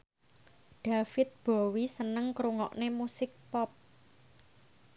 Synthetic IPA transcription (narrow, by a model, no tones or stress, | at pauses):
ɖ̥a̤fɪt̪̚b̥o̤wisənəŋkɾuŋɔ̰ʔnemusɪk̚pɔp̚